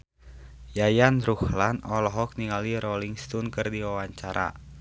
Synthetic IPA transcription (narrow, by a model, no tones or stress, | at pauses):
jajanruhlanɔlɔɦɔk̚niŋaliɾɔliŋst̪ɔnkɨrdiwawaɲt͡ʃaɾa̰